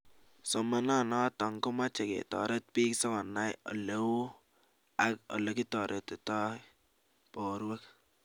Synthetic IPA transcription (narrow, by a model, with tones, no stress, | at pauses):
sɔ˨ma˦na˦˨nɔ˦tɔ˨ŋkʊ˦ma˦t͡ʃe˨kḛ˨tɔ̰˨ɾe˦t̚pi˦ksɔ˦kɔ˨nːa˦jɔ̰˨le˦wu˦ | a˦kɔ̰˨lo˨ki˦tɔ˨ɾʔe˨tɪ˨tɔ˦ | pɔ˨ɾwa˦k